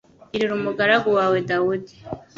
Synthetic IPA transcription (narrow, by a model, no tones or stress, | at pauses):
iɾiɾumuɡaɾaɡuwaːwe̞dawudi̥